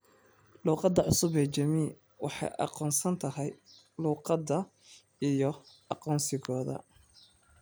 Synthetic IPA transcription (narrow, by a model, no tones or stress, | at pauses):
luːqɑd̪ːɐʕʊsʊβɛːt͡ʃɐmiː | wɑ̰ħɑ̰jʔɑ̰qɔːnsɐnt̪ʰɐɦɛj | luːqɑd̪ɐ | ijɔʔɑqɔːnsɪɣɔːðɐ̰